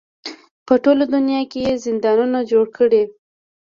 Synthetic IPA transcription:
pəʈolod̪unjɑkejezɪnd̪ɑnunad͡ʒoɽkʰəɽe

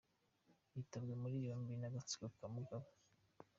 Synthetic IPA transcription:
jitabɡemuɾijombinaɡat͡siɡokamuɡaβa

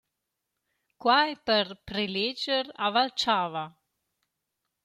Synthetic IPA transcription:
kwajpəɾpɾeled͡ʒəɾavalt͡ʃaːva

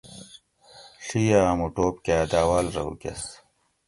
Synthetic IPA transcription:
ɬijaːmuʈoːp̚kaːd̪aːwaːlɾɐ̰ṵkɐ̰s

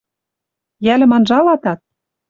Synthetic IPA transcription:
jælɘ̆mɑnʒɑlɑt̪ɑt̪̚

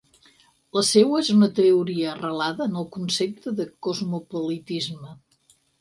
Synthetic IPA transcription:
ləsewəezunət̪əuɾiəːrəlaðəːnəlˠkunsep̚t̪əðəkozmupolit̪izmə

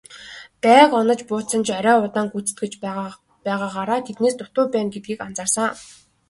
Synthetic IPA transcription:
t̪æːkɔnɞ̆t͡ɕpʊːt͡sə̆nt͡ɕaɾʲæːʊt̪aːŋɡut͡sɘ̥̆t̪̚ɡĕt͡ɕ | pæːʁaːʁaːɾaːt̪ʰet̪neːst̪ʊt̪ʊːpæːnɡet̪̚ɡiːkant͡saːrsə̆ŋ

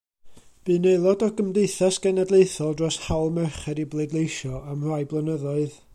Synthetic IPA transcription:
b̥ɨnelˠɔdɔɡəmdeɨθasɡ̥ɛnadlˠejθɔlˠdrɔshawlˠmɛrχɛɾiblˠedlˠejʃɔamr̥ajblˠənəðɔɨð

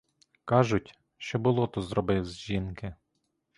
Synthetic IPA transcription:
kɑʒʊtʲ | ʃt͡ʃɔbʊlˠɔt̪ɔzɾɔbɪwzʲʒinkɪ

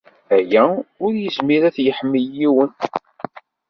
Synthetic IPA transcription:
æjæʊɾjəsmiɾæθjəħəmːəjiwən

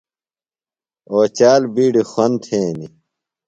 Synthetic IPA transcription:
oːt͡ɕaːlbiːɖixwɐnt̪ʰeːni

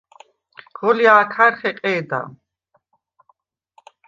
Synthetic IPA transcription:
ɡ̥ɔliaːkʰaɾχɛqʼɛːd̪a̰

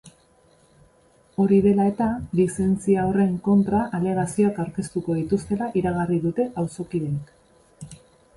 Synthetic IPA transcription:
o̞ɾiðe̞lae̞t̪alise̞nt͡siaore̞ŋko̞nt̪ɾaʔaleɣasio̞akawɾkest̪uko̞ð̞it̪ust̪e̞laʔiɾaɣ̞ariðut̪e̞ʔawso̞kiðenk

